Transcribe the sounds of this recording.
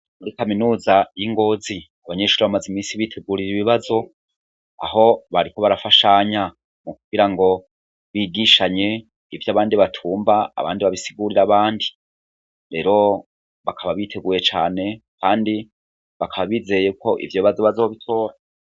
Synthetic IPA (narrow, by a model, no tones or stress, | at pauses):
muɾikaminuːzajiŋɡo̞ːzi | aβaɲe̞ːʃuːɾiβamazimiːnsiβiːtʰe̞ɡuːɾiɾiβiβazo̞ | a̰ho̞βaɾiko̞βaɾafaʃaɲa | muk̚uɡiɾaŋɡo̞ | βiːɡiʃaɲe̞ | ivjaβaːndiβatʰuːmbaa̰βa̰ːndiβaβisiɡuːɾiɾaβaːndi | ɾe̞ːɾo̞ | βakʰaβaβitʰe̞ɡuːɾe̞t͡ʃa̰ːne̞kʰaːndi | βakaβaβiːze̞jeko̞ʔḭvjoβiβazoβazoβitʰo̞ːɾa